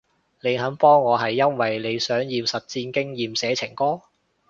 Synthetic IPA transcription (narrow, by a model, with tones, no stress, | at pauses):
le˨˧jɦɐ˨˥npɔː˥ŋːɔː˨˧ɦɐ˨jːɐ˥nwɐ˨jle˨˧jsœː˨˥ŋjiː˨˧wsɐ˨t̚t͡siː˧nkɪ˥ŋjiː˨msɛː˨˧˥t͡sʰɪ˨˩ŋkɔː˥